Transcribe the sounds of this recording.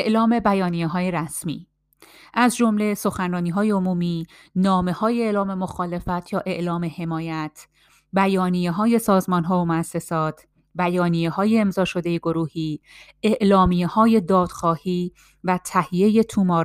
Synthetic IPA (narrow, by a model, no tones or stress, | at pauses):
eʔlɒːme̞bæjɒːnijeɦɒːje̞ɾæsmḭː | ʔæzd͡ʒo̞mle̞so̞xænrɒːniːɦɒːjeomuːmiː | nɒːme̞hɒːjeelɒːme̞mo̞xɒːle̞fæt̪ʰjɒːʔe̞ʔlɒːme̞he̞mɒːjæt̪ʰ | bæjɒːnijeɦɒːje̞sɒːzmɒːnɦɒːvomoæsːe̞sɒːt̪ʰ | bæjɒːnijehɒːje̞eːmzɒːʃo̞d̪e̞jeɡo̞ɾuːhiː | ʔe̞ʔlɒːmijehɒːje̞d̪ɒːd̪̥xɒːhiː | væt̪ʰæhije̞je̞t̪ʰumɒːɾ